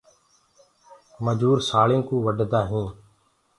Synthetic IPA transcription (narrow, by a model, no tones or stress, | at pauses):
məd͡ʒuːɾsaːɭĩːkũːʋəɖʱd̪aːɦĩː